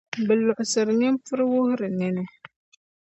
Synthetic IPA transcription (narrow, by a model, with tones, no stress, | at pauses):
bɨ˨lʊ˨ʔʊ˨sɨ˨ɾnɪ˦m˦fʊ˦ɾwʊ˦hʊ˦ɾɨ˨nɛ˦nɛ˦